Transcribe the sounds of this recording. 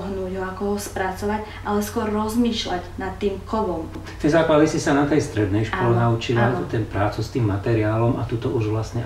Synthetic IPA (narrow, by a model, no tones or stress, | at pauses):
ɦnuːɟɦɔakɔɦɔspɾat͡sɔʋaɟ | ʔalɛskʊɔɾːɔzmiːʃlaɟnat̪ːiːmkɔʋɔm | t̪ɛjzaːklad̪isisanat̪ɛjst̪ɾɛd̪nɛjʃkɔlɛnaut͡ʃilat̪ut̪ɛnpɾaːt͡sust̪iːmːat̪ɛɾiaːlɔma̰t̪ut̪ɔʔuʒʋlast̪ɲɛ